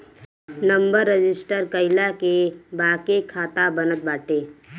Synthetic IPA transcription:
nə̃mbəɾːəd͡ʒɪsʈəɾkəɪlakebaːkekʰaːt̪abənət̪̚baːʈeː

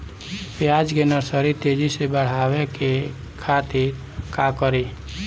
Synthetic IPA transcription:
pjad͡ʒkenəɾsəɾit̪ed͡ʒisebəɽ̤aweke | kʰat̪iɾ | kakəɾi

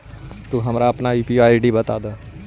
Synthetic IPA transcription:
t̪uɦɐmɾaɐpnaiːpiaːiɖibət̪a̰ːd̪aː

